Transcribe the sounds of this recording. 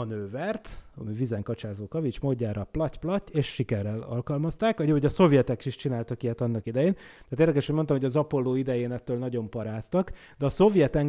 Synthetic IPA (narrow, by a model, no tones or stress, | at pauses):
ɒnøːvɛrt̪ɒ̰mivizɛŋkɒt͡ʃaːzoːkɒvit͡ʃmoːɟːaːɾɒplɒcplɒcːeːʃʃikɛrːɛlɒ̰lkɒlmɒst̪aːkʋɒɟɒoɟɒso̞vjɛt̪ɛkʃiʃt͡ʃinaːlt̪ɒkijɛt̪ɒnːɒkid̪ɛjeːn | t̪æːt̪eːrd̪ɛkɛʃɛɟmont̪ɒmɦoɒzɒpo̞lːoːid̪ɛjeːnɛt̪ːøːlnɒɟo̞mpɒɾaːst̪ɒk | d̪ɛːso̞vjɛt̪ɛŋ